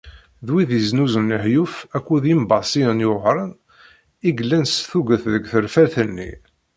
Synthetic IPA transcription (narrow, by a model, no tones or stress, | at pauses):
ðwiðiznuzənːəħjufækʷːuðimbɑsiənjʊʁɾˤən | iɡəlːænsθuɡəθðəɡθəɾfæɾθənːḭ